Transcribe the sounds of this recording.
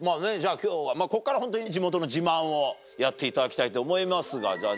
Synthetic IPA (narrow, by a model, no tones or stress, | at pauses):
maːne̞d͡ʑaːkʲo̞ːβamaːko̞kːaɾahont̪̬oɲ̟d͡ʑimo̞t̪o̞no̞d͡ʑibãɰ̃o̞ | jat̪ːe̞it̪ad̪akʲi̥t̪ait̪o̞ːmo̞imasɨɡa̰d͡ʑaː